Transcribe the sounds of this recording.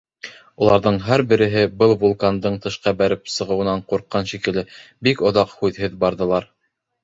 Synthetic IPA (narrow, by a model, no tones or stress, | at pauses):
ulˠɑɾðɤɴɦæɾbɘ̆ɾɘ̆ɦɘbɤlˠvulˠkand̪ɤɴt̪ɤ̆ʃqɑbæɾɘpsɤ̆ʁɤ̆wɤ̆nɑɴquɾqːɑnʃikɘ̆lɘbikŏðɑqhʉðhɘðbɑɾðɤ̆lˠɑɾ